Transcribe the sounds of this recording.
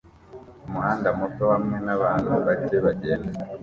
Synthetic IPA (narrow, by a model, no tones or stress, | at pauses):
umuhaːndamutohamŋe̞naβaːnuβaceβaɟeːnda